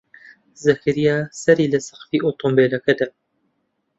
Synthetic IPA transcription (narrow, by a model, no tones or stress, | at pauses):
zɐkʰɨɾijɑːsɐɾiːlɐsɐ̥xfiːʔoːt̪ʰombeːlɐkɐd̪a